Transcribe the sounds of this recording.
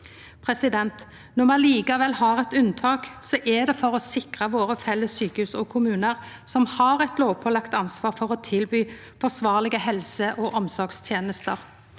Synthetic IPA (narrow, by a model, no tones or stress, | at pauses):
pʰʁɛsɪd̪ɛnt̪ | nɔmɑnliːkɑʋɛlhɑɾɛt̪ʉnt̪ʰɑːksɔʔɛd̪ɛfɔɾɔsɪkʁəʋoːɾəfɛlːəsyːkəhʉːsɔkʰʊmʉːnəʁ | sɔmhɑːɾɛt̪loːʋpʰɔːlɑkt̪ɑnsʋɑːfɔʁɔt̪ʰɪlbyː | fɔsʋɑːʁlɪɡəhɛlsəʔoʔɔmsɔɾɡst̪ʰjeːnəst̪əʁ